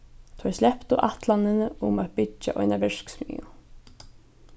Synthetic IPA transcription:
t̪ʰɔjslɛhpt̪uʔaht̪lanːɪnɪʊmaðpɪt͡ʃːa̰ʔɔ̰jnavɪʂksmḭːʊ

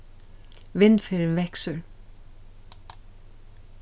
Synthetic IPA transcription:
ʋɪnfiːɾnʋɛksəl

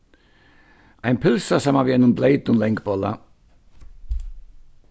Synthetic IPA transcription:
ʔaɪnpʰɪlsasamaviɛnʊnbleɪt̪nʊnlɛjŋkbɔla̰

